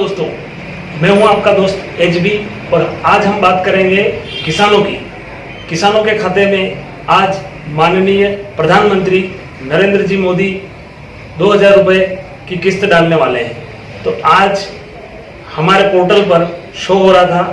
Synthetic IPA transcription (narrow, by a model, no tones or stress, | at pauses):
oːst̪õː | mɛ̃ːɦũaːp̚kad̪oːst̪eːt͡ʃbi | ɔːɾaːd͡ʒɦɐ̃mbaːt̪kɐɾẽːŋɡekɪsaːnõkḭː | kɪsaːnõkekʰaːt̪emẽ | aːd͡ʒ | maːnnijəpɾɐd̪ʱaːnmə̃nt̪ɾi | nɐɾẽːnd̪ɾəd͡ʒiːmoːd̪i | d̪oːɦɐzaːɾːʊpəe | kikɪst̪ɖaːlneʋaːleɦɛ̃ː | t̪oaːd͡ʒ | hɐmaːɾepoːɾʈəlpɐɾ | ʃoːɦoːɾaɦat̪ʰaː